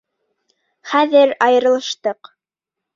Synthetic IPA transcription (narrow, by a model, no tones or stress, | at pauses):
χæðɘɾɑjɤ̆ɾɤ̆lˠɤ̆ʃt̪ɤq